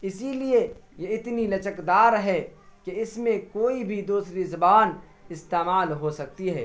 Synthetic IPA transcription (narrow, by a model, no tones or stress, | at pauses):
ɪsiliejeɪt̪nilɐt͡ʃəkd̪aːɾɦɛkeɪsmẽkoːibʱid̪uːsɾizɐbaːn | ɪst̪eːmaːlɦosɐk̚t̪iɦɛː